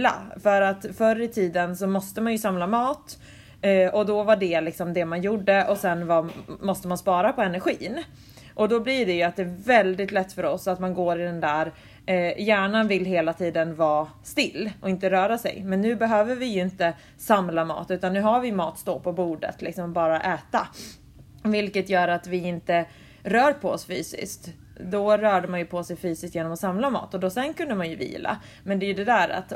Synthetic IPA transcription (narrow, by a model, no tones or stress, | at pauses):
la̰fœɾat̪fœɾɪt̪ʰiːd̪ənsɔmɔst̪əmanjɵsamlamɑːt̪ː | ɔd̪ɔvaɖɛlɪksɔmd̪ɛmanjuɖəʔɔsɛnvamɔst̪əmanspɑːɾapʰɔɛnæɾɧiːn | ʔɔd̪ɔblɪɖɛjɵat̪̚d̪ɛæɾvɛld̪ɪt̪lɛt̪ːfœɾɔsːat̪manɡoːɾɪd̪ɛnd̪æːɾ | jæːɳanvɪlːɦeːlat̪ʰiːd̪ənvɑːst̪ɪlːʔɔɪnt̪əɾœːɾasɛ̰jmɛnːʉ̟ːbɛɦøːvəɾvɪjɵɪnt̪ə | samlamɑ̰ːt̪ʉ̟ːt̪anːʉ̟ːɦaɾvɪmɑːt̪st̪oːpʰɔbuːɖə̰t̪lɪksɔmbɑːɾaʔɛːt̪a | vɪlkət̪jœːɾat̪vɪɪnt̪ə | ɾœːɾpʰɔɔsfyːsɪ̰skt̪ | d̪ɔɾœːɖəmanjɵpʰɔsɛjfyːsɪsk̪t̪jeːnɔmɔsamlamɑ̰ːt̪ɔd̪ɔsɛnkʰɵnd̪əmanjɵvḭːlʔa̰ | mɛnd̪ɛjɵd̪ɛd̪æːɾa̰t̪